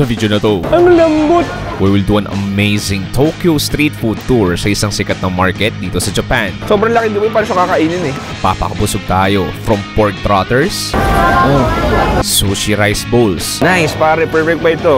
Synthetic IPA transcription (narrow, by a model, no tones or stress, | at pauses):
sɐvid̪jonɐt̪oʔɐŋlɐmbot̪̚ | wiwɪld̪uʔɐnɐ̰mejsɪŋt̪ʰokjost̪ɾiːt̪fud̪̚t̪uɹsɐʔɪsɐŋsɪkɐt̪̚nɐŋmaɹkɛt̪̚d̪iːt̪osɐd͡ʒɐpansoːbɾɐŋlɐkɪnd̪ʊmɪnpaːɾɐʃɐkaːkɐʔiːnɪnɛɐpa̰ːpɐ̰kɐbʊsoɡ̚t̪aːjofɾɐmpoɹk̚t̪ɾat̪ɛɹsʔonssoʃiɾajsbolsnajspaːɾɛpɛɹfɛk̚bɐɪt̪o